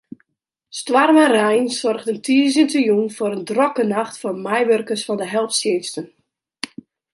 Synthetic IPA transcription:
stwarmərɛjnsɔrɣdəntiːəzəntəjunfʊɾəndrɔkənaxtfɔmɛjʋørkəsfɔndəɦɛlˠfsjɪstən

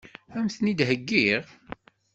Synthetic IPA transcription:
æmθnid̪ɦəɡːiʁ

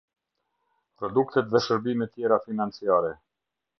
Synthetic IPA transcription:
pɾɔd̪ukt̪ɛt̪ðɛʃəɾbimɛt̪jɛɾafinant͡siaɾɛ

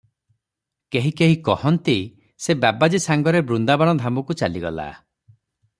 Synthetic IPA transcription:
keɦikeɦikɔhɔnt̪i | sebabad͡ʒisaŋɡɔɾebɾund̪abaɽ̃ɔd̪ʱamɔkut͡ʃaliɡɔ̰la̰

